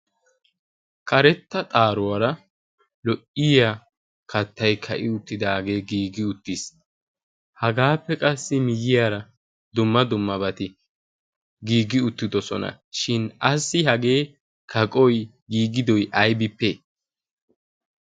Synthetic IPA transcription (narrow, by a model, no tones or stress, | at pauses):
kʰʼɐɾɛt̪ːɐt̪ʼaːɾʊwɐɾɐ | lɔʔɪja | kʰɐt̪ːɐjkʰɐʔɪʊt̪ːɪd̪aːɡe̞ːɡiːɡɪʊt̪ːis | hɐɡaːpːɛkʼɐsːɪmɪjɪjaːɾɐ | d̪ʊmːɐd̪ʊmːɐbɐt̪ɪ | ɡiːɡɪʊt̪ːɪd̪ɔsɔ̰nɐ̰ | ʃɪnɐsːɪɦɐɡe̞ː | kʰɐkʼɔj | ɡiːɡɪd̪ɔjʔɐjbɪpːe